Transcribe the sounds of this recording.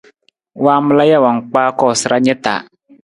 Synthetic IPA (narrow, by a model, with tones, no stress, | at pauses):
waː˦mə˦la˦ja˦˨wa˨ŋ˨k͡paː˦kɔː˦˨sɨ˨ɾa˦ɲɛ˦ta̰ː˨˦